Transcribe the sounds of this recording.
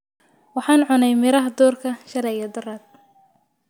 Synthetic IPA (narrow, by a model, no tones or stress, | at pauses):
wɑħɑːnʕʊnɛjmɪɾɐɦɐd̪uːrkʰɐʃɐlɛjɐd̪ʊraːd̪̚